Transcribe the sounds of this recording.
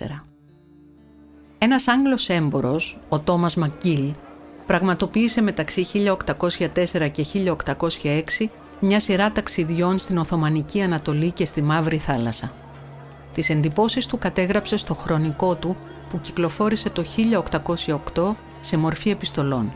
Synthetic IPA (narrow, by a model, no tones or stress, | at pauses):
ḛɾɐ | e̞nɐsɐŋɡlo̞se̞mbo̞ɾo̞so̞t̪o̞mɐzmɐcilpɾɐɣmɐt̪o̞piːse̞me̞t̪ɐksiçiʎɐo̞kt̪ɐko̞sçɐt̪e̞se̞ɾɐce̞çiʎɐokt̪ɐko̞sçɐe̞ksi | mɲɐsiɾɐt̪ɐksiðʝo̞nst̪ino̞θo̞mɐniciɐnɐt̪o̞lice̞st̪imɐvɾiθɐlɐsɐ | t̪ise̞nd̪ipo̞sist̪ukɐt̪e̞ɣɾɐpse̞st̪o̞xɾo̞niko̞t̪u | puciklo̞fo̞ɾise̞t̪o̞çiʎɐokt̪ɐko̞sçɐokt̪o̞ | se̞mo̞ɾfie̞pist̪o̞lo̞n